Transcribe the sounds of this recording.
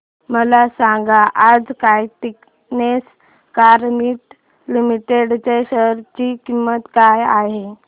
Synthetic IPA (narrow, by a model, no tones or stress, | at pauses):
məlasaŋɡaʔad͡zkajt̪ik | nes | kaɾmiʈ | limiʈeɽt͡ɕeɕəɾt͡ɕikimːət̪kajaɦe